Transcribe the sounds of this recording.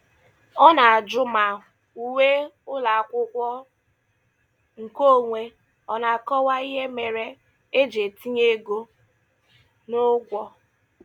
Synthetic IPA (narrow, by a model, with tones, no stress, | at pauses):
ɔ˦na˨a˨d͡ʒʊ˦ma˨ | u˨we˦ʊ˦la˨a˨kʷʊ˦kʷɔ˦ | ŋ̩˨ko˦˨ŋʷe˦ | ɔ˦na˨kɔ˦wa˦i˦ɦe˦me˨ɾe˦ | e˦d͡ʒe˨ti˦ɲe˦ɡo˦ | nʊ˦ɡʷɔ˦